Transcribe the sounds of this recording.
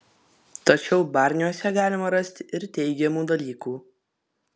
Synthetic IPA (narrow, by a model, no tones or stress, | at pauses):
t̪ɐt͡ʃʲɛʊbɑːˑɾʲnʲjɔsʲɛɡɑːlʲɪmɐɾɐsʲt̪ʲɪɾt̪ʲɛɪɡʲɛmuːd̪ɐlʲiːkuː